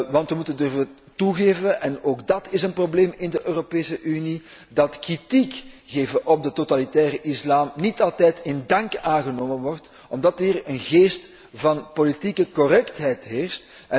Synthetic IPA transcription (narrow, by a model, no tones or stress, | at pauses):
ʋɑntʋəmutəndɵrvən | tuɣeːvənʔɛnoːɡdɑtɪsənprobleːmɪndəʔøːropeːsəʔynidɑtkritikɣeːvəʔɔb̚dətotalitɛːrəʔɪslaːmnitɑlˠtɛjtɪndɑŋkaːnɣənoːmənʋɔrt | ɔmdɑtiːrənɣeːst | vɑnpolitikəkɔrɛktɦɛjtɦeːrst | ɛ